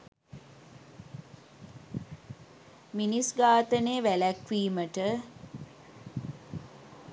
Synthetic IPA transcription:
minisɡaːt̪əneːʋælækʋiːməʈə

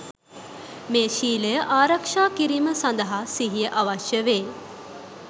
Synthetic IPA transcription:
meːʃiːlejəʔaːɾɐkʂaːkiɾiməsɐnd̪ɐɦasiɦijəʔɐʋɐʃjəʋeː

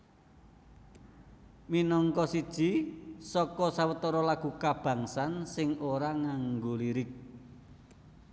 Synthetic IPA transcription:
minɔŋkɔsid̥ʒ̥i̤sɔkɔsawət̪ɔɾɔlaɡ̥ṳkab̥a̤ŋsansɪŋoɾaŋaŋɡoliɾɪk̚

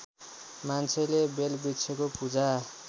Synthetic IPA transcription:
mant͡sʰelebelbit͡sʰekopud͡za

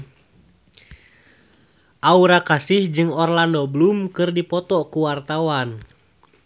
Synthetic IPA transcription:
ʔauɾakasihd͡ʒɨŋɔrlandɔblumkɨrdipɔt̪ɔkuwart̪awan

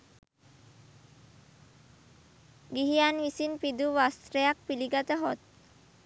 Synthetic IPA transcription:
ɡiɦijanʋisinpid̪uʋast̪ɾejak̚piliɡat̪əɦot̪̚

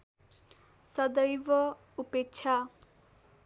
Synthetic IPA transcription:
sʌd̪ʌjbʌ | upekːt͡ʃʰa

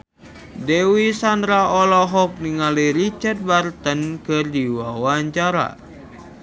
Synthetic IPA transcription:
dewisandɾaɔlɔɦɔk̚niŋaliɾit͡ʃard̚bart̪ənkɨrdiwawaɲt͡ʃaɾa̰

